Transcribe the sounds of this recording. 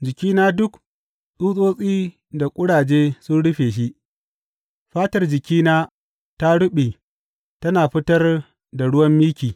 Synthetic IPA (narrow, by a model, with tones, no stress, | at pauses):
d͡ʒɪ˨kʲiː˦naː˦dʊ˦k | ɗuː˦sʼoː˦sʼiː˦ | da˨kʷʼʊ˦ɽaː˨d͡ʒeː˦sʊ˦nɽʊ˦ɸeː˨ʃ̬i˦ʔ | ɸaː˦tɐ˦rd͡ʒɪ˨kʲiː˦naː˦ | ta˦ɽʊ˦ɓeː˨ | tɐ˦naː˨ɸɪ˦tɐ˦r | da˨ɽʊ˦wɐ˦mːiː˦kʲiː˨